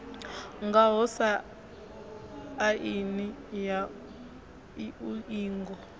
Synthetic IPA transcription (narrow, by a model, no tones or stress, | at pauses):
ŋɡaɦɔsa | ʔinija | uiːŋɡɔ